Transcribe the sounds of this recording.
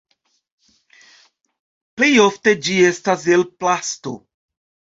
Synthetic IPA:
plejofted͡ʒiestaselplasto̰

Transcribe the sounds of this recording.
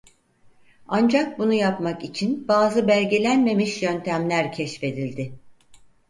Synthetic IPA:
and͡ʒak̚bunujapmakit͡ʃʰinbaːzɯbælʲɟe̞lʲænme̞miʃjønt̪ʰæmlʲæɾcʰɛʃfe̞d̪ilʲd̪ɪ

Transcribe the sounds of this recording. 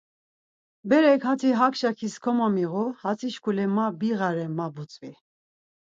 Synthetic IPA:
bɛɾɛkhat̪ʰiɦakʰʃakʰiskʰɔmamiʁuhat͡sʰiʃkʰulɛmabiʁaɾɛmabut͡sʼvi

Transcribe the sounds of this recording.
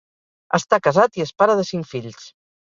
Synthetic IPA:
əst̪akəzat̪iəspaɾəðəsiŋkfiʎs

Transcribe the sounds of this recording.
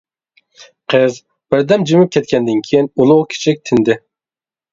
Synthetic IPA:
qʰɨz | b̥ɪɾd̪ɛmd͡ʒimɪp̚kʲʰɛt̪̚kʲʰɛnd̪ɪnkʲʰijinulˠʊʁkʲʰi̥t͡ʃʰɪk̚ʲt̪ʰɪnd̪ɪ

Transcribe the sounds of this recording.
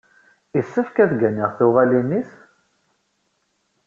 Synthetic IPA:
isːəfkæθɡæniʁθuʁælinːiθ

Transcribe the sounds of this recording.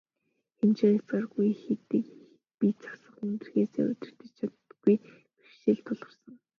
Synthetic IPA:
xemt͡ɕeet͡sɢarɣujxet̪ɘ̆kx | pit͡sḁsə̆χunt̪ɘ̆rxeːsḛːʊ̰t̪ʲɪ̆r̥t̪ə̆t͡ɕt͡ɕʰat̪ɡuj | pi̥ʃtĕːɮt̪ʰːʊɮʁ̥ə̆rsə̆ŋ

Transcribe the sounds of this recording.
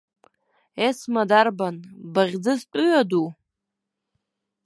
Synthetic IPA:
esmadarbanbaʁʲd͡zɨztʷʼʊɥadu

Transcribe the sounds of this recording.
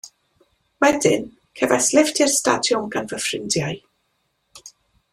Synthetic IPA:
wɛdɪ̰n | kʰɛvaslɛvtʰɪrsta̰djɔmɡanvəfrɪndjaɨ

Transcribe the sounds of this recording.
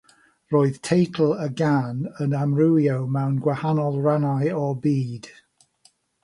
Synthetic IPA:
roːɨð̥tʰejtʰl̩ˠəɡanənamɹɪwjowmɛwnɡwahanɔlˠranajɔbiːd̥

